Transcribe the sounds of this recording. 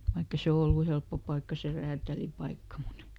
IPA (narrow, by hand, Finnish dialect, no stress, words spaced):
ʋɑikː e se olːu helpːo pɑikːɑ se ræːtælipɑikːɑ mut